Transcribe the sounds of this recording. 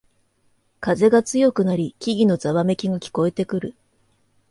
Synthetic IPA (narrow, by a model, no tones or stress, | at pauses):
kaze̞ɡat͡sɨjo̞kɯ̟naɾʲikʲiɡʲino̞zaβame̞kʲiɡakʲi̥ko̞e̞t̪e̞kɯ̟ɾɯ̟